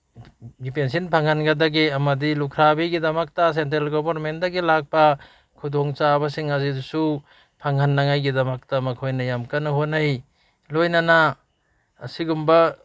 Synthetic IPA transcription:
ɡipens̬inpʰaŋhanɡɐdɐɡeɐmɐdilukʰɾabiɡidɐmɐk̚tɐs̬entelɡobɐɾmendɐɡilak̚pɐ | kʰudoŋt͡ʃabɐsiŋazidusu | pʰaŋanːaŋajɡidɐmɐk̚tɐmɐkʰojnɐjamkanɐɦonaj | lojnanaː | siɡumbɐ

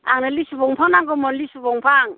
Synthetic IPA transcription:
aŋnalisubɔŋpʰaŋnaŋɡɔmɔnlisuβɔŋpʰaŋ

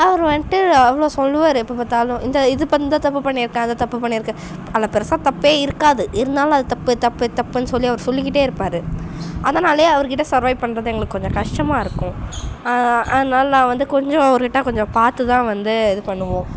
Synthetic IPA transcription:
ɐʋɐɾʋɐnʈːɯɐʋːɐɭoːsɔlːɯʋaːɾɯɪpːɐpaːt̪ːaːlʊ̃ɪnd̪ɐɪðɯpɐd̪aːt̪ɐpːɯpɐɳːɪɾɯkːãːɐnd̪ɐt̪ɐpːɯpɐɳːɪɾɯkːɐ̃ | ɐlːɐpɪɾɐsaːt̪ɐpːeːɪɾɯkːaːðɯʔɪɾɯnd̪aːl̃ɐðɯt̪ɐpːɯt̪ɐpːɯt̪ɐpːɯnːɯsɔlːiɐʋɐɾsɔlːɪk̬ːɪʈːeːɪɾɯpːaːɾɯʔɐðɐnaːleːɐʋɐɾɯkɪʈːɐsɐɾʋɐɪpɐɳːɾɐðɯɛŋɡɐɭɯkːɯkɔɲd͡ʒɔ̃kɐʂʈɐmaːɪɾɯkːʊ̃ɐɐðnaːlaʋɐnd̪ɯkɔɲd͡ʒɔ̃ɐʋɐɾɯkɪʈːɐ̃kɔɲd͡ʒɔ̃paːɾt̪ːɯt̪ãːʋɐnd̪ɯɛðɯpɐɳːɯʋõː

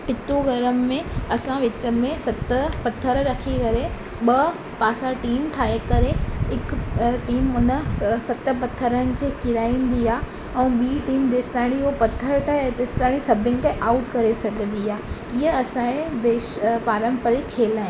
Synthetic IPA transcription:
pɪt̪oɡɐɾəmːẽɐsãʋɪt͡ɕəmẽsɐt̪əpɐt̪ʰəɾɾɐkʰikɐɾe | ɓɐ | paːsaʈiːmʈʰaːɦekɐɾeɪkʈiːmʊnəsɐt̪ə̆pɐt̪ʰəɾənɪ̆kʰeːkɪɾaːĩːn̆d̪iaː | ɛ̃ːɓiːʈiːmd̪eːst̪aːɪɽ̃iopɐt̪ʰəɾʈʰaːed̪eːst̪aːɽ̃isɐbʱɪ̃nɪ̆kʰeʔaːʊʈkɐɾesɐɡʱə̃n̆d̪iaː | iəɐsãẽd̪eːʃpaːɾə̃mpəɾikʰeːlaːɦɪ̃

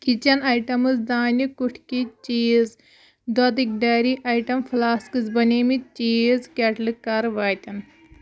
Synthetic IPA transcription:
kit͡ʃɐnɐjʈɐmɨsd̪aːnʲikuʈʰkit͡ʃiːz | d̪od̪ik̚ɖɐːɾiʔɐːjʈɐmfʰlaːskɨzbɐnimit͡ʃiːzkʲeʈlɨkːɐɾʋaːjt̪ʲɐn

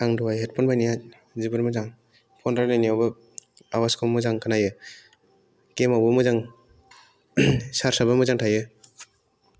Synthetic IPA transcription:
aŋdɔwajɦet̚pʰɔnbajnijat | zibɯɾmɯzaŋ | pʰɔndɾaɾnajniawbɯ | awaskʰomɯzaŋkʰanajɯ | kemawbɯmɯzaŋ | saɾsabamɯzaŋtʰajɯ

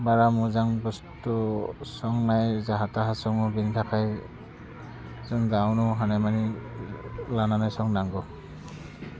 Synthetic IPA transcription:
baɹamʊzaŋbɔstɔsɔŋnajzaɦataɦasɔŋɔbintʰakʰaj | zɔnɡawnɔɦanajmani | lananajsɔŋnaŋɡɔ

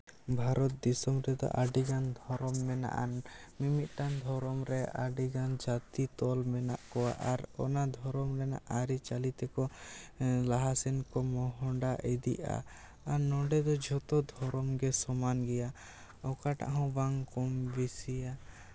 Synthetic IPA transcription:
bʱaɾɔt̪̚d̪isɔmɾɛd̪ɔ̰ʔaɖiɡand̪ʱɔɾɔmːɛna̰ʔanmimit̪̚ˀʈand̪ʱɔɾɔmɾɛa̰ɖiɡand͡ʒat̪it̪ɔlmɛna̰ʔkɔwa̰ʔaɾɔ̰nad̪ʱɔɾɔmɾɛna̰ʔaɾit͡ʃalit̪ɛkɔ | laɦasɛnkɔmɔɦɔɳɖaʔed̪ḭʔa̰ː | nɔɖɛd̪ɔd͡ʒʱɔt̪ɔd̪ʱɔɾɔmɡɛsɔmanɡɛja | ɔkaʈa̰ʔɦɔ̃baŋkɔmbisija

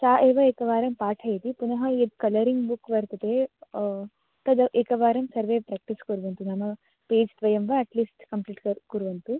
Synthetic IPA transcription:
t͡ʃaːʔeːʋɐikɐʋaːɾɐmpaːʈʰɐjɐt̪ipunɐɦɐed̪kɐlɐɾiŋɡbukːʋɐɾt̪ɐt̪eː | t̪ɐd̪ɐʔekɐʋaːɾɐmsɐɾʋeːpɾaːk̚ʈiskuɾuʋɐnt̪unɐmɐ | peːd͡ʒt̪ʋɐjɐmʋɐɐʈliːsʈkɐmpliːʈkɐkuɾuʋɐnt̪u

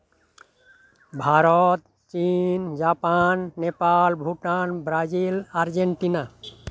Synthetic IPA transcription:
bʱaɾɔt̪ | t͡ʃind͡ʒapanːepalbʱuʈanbɾad͡ʒilaɾd͡ʒeɳʈina

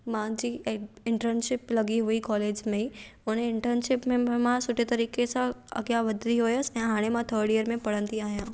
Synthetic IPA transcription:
mãd͡ʒiɪ̃ɳʈəɾnʃɪplɐɡiɦʊikɔːleːd͡ʒmẽʊnẽɪɳʈəɾnʃɪpmẽmãsʊʈet̪ɐɾiːkesãɐ̰ɡjaʋəd̪ɾiɦojsɛ̃ɦaːɽ̃emãt̪ʰəːɾɖijəɾmẽpɐɽ̤ə̃nd̪iaːjãː

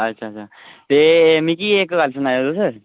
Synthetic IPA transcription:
ətːɕʰaːɕʰa | t̪emiːkiːekɡalsənajod̪osəɾ

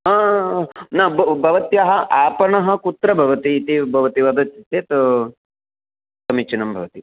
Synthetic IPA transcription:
ɐː | nɐbbʱɐʋɐt̪jɐɦɐʔaːpɐɳɐɦɐ̆kut̪ɾɐbʱɐʋɐt̪iːt̪ibʱɐʋɐt̪iʋɐd̪ɐt̪it̪eːt̪ɐ | sɐmit͡ʃɐnɐmbʱɐʋɐt̪i

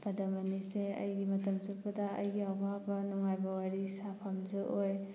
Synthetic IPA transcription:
b̥ɐdɐmɐniseɐ̰jɡimɐtɐmzɯpɐdaɐ̰jɡiawbʱabɐnuŋajbɐwaɾisapʰɐmzɯʔoj

